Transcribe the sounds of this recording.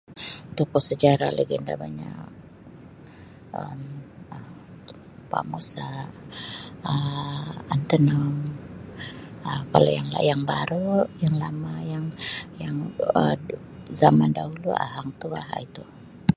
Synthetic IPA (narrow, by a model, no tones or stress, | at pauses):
t̪upusəd͡ʒaɾalaɡinda̰baɲa̰k | əmə | pa̰musa | ə | ant̪ənəŋ | əkalojaŋla̰jaŋbaɾujaŋlamajaŋjaŋə | zamandaɦulua̰ɦaŋt̪ua̰ɦa̰it̪u